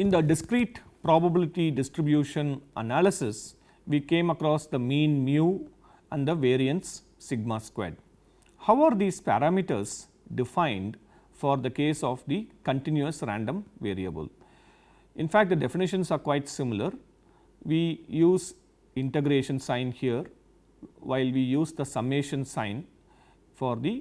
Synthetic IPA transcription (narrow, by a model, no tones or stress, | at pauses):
ɪ̃nd̪əɖɪskɾiːʈpɾɔːbɐbɪlɪʈiɖɪsʈɾɪbjuːʃə̃nʔə̰nælɪsɪs | ʋiːkẽːmɐkɾɔːsd̪əmĩːnmjuː | æ̃ɳɖd̪əʋeːɾiə̃nʈsː | ɪɡ̚maskwḛːɖ | haʊaːɾd̪iːzpæ̰ɾamiʈə̰ɾs | ɖɪfãɪ̃nɖ | fɔːɾd̪əkeːsɔːʋd̪ikə̃ɳʈɪ̃njuəsɾæ̰̃ɳɖə̃mʋeːɾiəbə̰l | ɪ̃nfækʈ̚d̪əɖefɪnɪʃə̃nsaːɾkʋaɪʈsɪmɪləɾ | ʋiːjuːz | ɪ̃ɳʈeɡɾeːʃə̃nsãɪ̃nhiəɾ | ʋaɪlʋijuːzd̪əsɐmeːʃə̃nsãɪ̃n | fɔːɾd̪i